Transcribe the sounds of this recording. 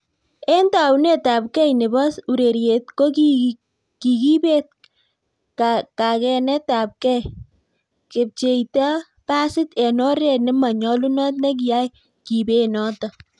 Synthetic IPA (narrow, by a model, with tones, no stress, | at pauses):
e˦nta˨wu˦ne˦˨ta˨p̚kɛ˦jne˨ba˦su˨ɾe˨ɾje˨t̚ko˦ki | ki˨ki˦be˦t̚ | kaka˨kɛ˧nɛ˦ta˨p̚kɛ˦j | ke˨p̚t͡ʃe˨ita˦ | pa˦sɪ˦tɛ˨nɔ˦ɾe˨nɪ˦ma˨ɲɔ˦lu˦nɔ˦t̬̚ne˦k̬i˨ja˦j | ki˨be˨nɔ˦tɔ˨